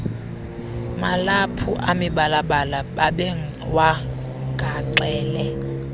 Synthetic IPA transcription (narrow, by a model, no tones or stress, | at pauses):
malapʰuʔamiɓalaɓalaɓaɓɛ | wa | ɡ̥ʱaǃɛːlɛ